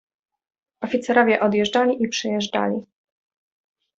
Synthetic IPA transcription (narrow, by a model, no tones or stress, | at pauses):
ɔfʲit̪sɛɾɔvʲjɛʔɔd̪jɛʐd͡ʐalʲiʔipʂɘjɛʐda̰lʲḭ